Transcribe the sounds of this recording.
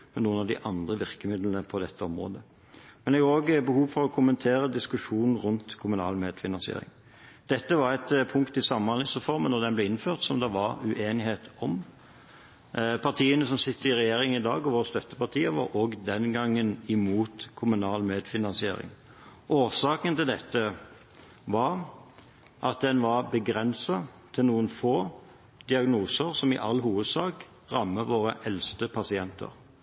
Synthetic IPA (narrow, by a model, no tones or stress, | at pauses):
mɛnnuːənɑʋd̪ɪ̰ʔɑnd̪ʁəʋɪʁkəmɪd̪lənəpʰɔd̪ɛt̪ʰːəɔmʁo̰ːd̪ə | mɛnɛɡoːɡbəhuːʋfɔɾɔkʰʊmənt̪ʰeːɾəd̪ɪskʉʂuːnn̩ɾʉnt̪kʰʊmʉnɑ̰ːlmeːd̪fɪnɑnsɪḛːɾɪ̰ŋ | d̪̥ɛt̪ːəʋɑɾæt̪pʰʊŋkt̪ɪsɑmːɑnlɪsʁɛfɔɾmənɔʁd̪ɛnblɛɪnføːʁt̪sɔmd̪ɛʋɑʁʉʔeːnɪɦeːt̪ɔm | pʰɑʁt̪ʰiːənəsɔmsɪt̪ːəɾɪɾɛjeːɾɪŋɪd̪ɑ̰ːɡɔʋoːʁst̪œt̪ːəpʰɑʁt̪ʰiːəʋo̰ɾoːɡd̪ɛnɡɑŋːənɪmuːt̪kʰʊmʉnɑːlmeːd̪fɪnɑnsɪḛːɾɪ̰ŋ | ʔoːsɑːkənt̪ɪld̪ɛt̪ːə | ʋɑɾ | ʔɑt̪̚d̪ɛnʋɑʁbəɡɾɛnsɑt̪ʰɪlnuːənfoː | d̪̥ɪɑɡnuːsəʁsɔmɪ̰ʔɑlːɦuːʋəd̪sɑːk | ʁɑmːəʋoːʁəʔɛlst̪əpʰɑsɪɛnt̪ə̰ɾ